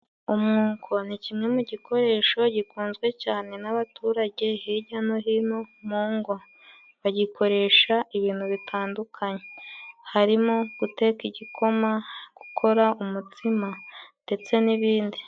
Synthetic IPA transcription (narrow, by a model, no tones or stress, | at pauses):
umŋuːŋkʰo̞nicimŋe̞muɟikʰo̞ɾe̞ːʃo̞ɟikuːnzɡwe̞caːne̞naβatuːɾaɟe̞hiɟanoɦinomuːŋɡo | βaɟikʰo̞ɾe̞ːʃaiβiːnhuβitʰaːndukʰaɲe̞haɾimoɡ̥ute̞kiɟikʰo̞maɡ̥u̥kʰo̞ɾaumutʰimande̞t͡se̞niβiːndi